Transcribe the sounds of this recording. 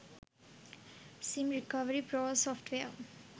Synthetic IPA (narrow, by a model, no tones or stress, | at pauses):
sĩmɾɪkʌʋəɾipɾɔːəsɔːfʈʋe